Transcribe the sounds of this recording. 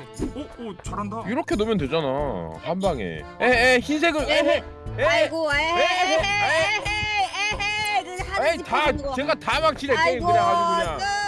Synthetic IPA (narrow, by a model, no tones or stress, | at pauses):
diɾʌkʰe̞nomjʌnte̞d͡ʑana̰hambaŋḛ | jeeçinsʰe̞ɡɯe | eoee | aetaeɡatamak̚t͡ɕʰiɾeɭk͈eiɯɲaaoɡɯɲa